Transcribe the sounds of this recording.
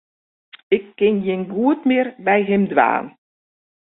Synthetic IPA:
ɪkːɪnjɪnɡuətmɪːrbɛjɦɪmdʋa̰ːn

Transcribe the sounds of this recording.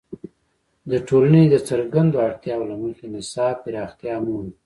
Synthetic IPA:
d̪əʈʰolaned̪ət͡səɾɡand̪oaɽt̪jɑwlaməxenɪsɑːpɪɾɑxt̪jɑmun

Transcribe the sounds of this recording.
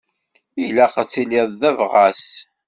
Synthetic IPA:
ilæqət͡sːiliðˤðævʁæs

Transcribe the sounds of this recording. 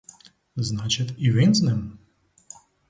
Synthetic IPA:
znat͡ʃɪt̪iʋinznɛm

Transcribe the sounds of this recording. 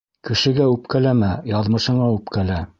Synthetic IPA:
kɘ̆ʃɘ̆ɡæʉp̚kælæmæjɑðmɤ̆ʃɤ̆ɴɑʉpkælæ

